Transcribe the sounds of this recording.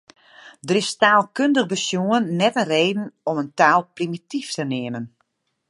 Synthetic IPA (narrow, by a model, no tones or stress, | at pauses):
dərɪstaːlˠkøndəɣbəsjuənːɛtənreːdn̩ɔməntaːlˠprimitiftənɪəmən